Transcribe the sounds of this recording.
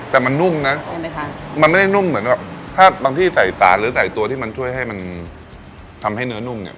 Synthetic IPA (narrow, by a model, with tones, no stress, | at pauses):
t̪ɛː˨˩ma˧nːu˥˩mna˦˥˧ | ma˧nma˥˩jda˥˩nu˥˩mːɯ˩˦ənbɛ˨˩p̚t̪ʰaː˥˩baː˧ŋt̪ʰiː˥˩sa˨˩jsa̰ː˩˦nɾɯː˨˩˦sa˨˩jt̪u˧ət̪ʰiː˥˩ma˧nt͡ɕʰu˥˩əjɦa˥˩jma˧n | t̪ʰa˧mha˥˩jnɯ˦˥ɐnu˥˩mnḭ˥˩